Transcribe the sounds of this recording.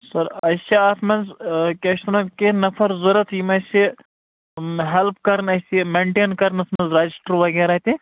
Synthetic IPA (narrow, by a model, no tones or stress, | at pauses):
sɐɾɐsiasmɐnzkʲɐʃt̪nɐkenɐfʰɐɾzuɾɐt̪jimɐsi | ɦelp̚ʰkɐɾnɐsimeɳʈeːnkɐɾnɐsmɐnzɾad͡ʒisʈəɾʋɐɡeːɾaːt̪ʲi